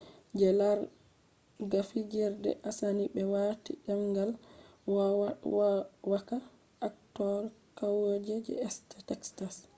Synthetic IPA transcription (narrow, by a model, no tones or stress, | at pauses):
d͡ʒɛlaɾ | ɡafid͡ʒɛɾdɛ̰ʔasanibɛwatḭɗamɡal | wa | waka | aktɔɾkawod͡ʒɛd͡ʒɛ̰ɛstatɛkstas